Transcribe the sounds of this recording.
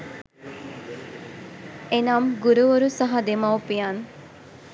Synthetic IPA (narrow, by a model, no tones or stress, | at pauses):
enamɡuɾuʋoɾusɐɦɐd̪emawpijan